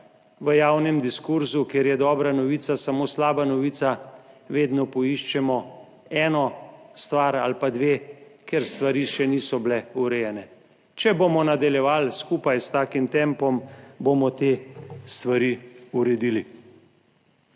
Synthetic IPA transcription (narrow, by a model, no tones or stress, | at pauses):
ʋəjawnɛmd̪iskuɾzukeɾjɛd̪ɔːbɾanɔʋiːt̪sasamoːslaːbanɔʋiːt̪saʋeːd̪nɔpɔiʃt͡ʃɛmɔ | ɛːnɔst̪ʋaɾa̰lpad̪ʋekɛɾst̪ʋaɾiːʃɛniːsɔblɛuɾɛjɛnɛ | t͡ʃɛbomɔnad̪aljɛʋaːlskuːpajst̪aːkimt̪ɛmpɔmbomɔt̪eːst̪ʋaɾiuɾɛd̪ili